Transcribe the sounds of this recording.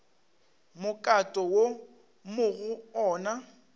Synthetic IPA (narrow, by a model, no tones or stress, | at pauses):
mʊkʼatʼɔwo | mʊɣʊɔːna